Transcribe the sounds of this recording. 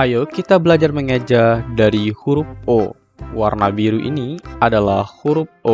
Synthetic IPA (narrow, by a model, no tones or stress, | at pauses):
ajokit̪abəlad͡ʒarməŋad͡ʒadaɾihuɾʊp̚o | warnabiɾuʔḭniadalahhuɾʊp̚o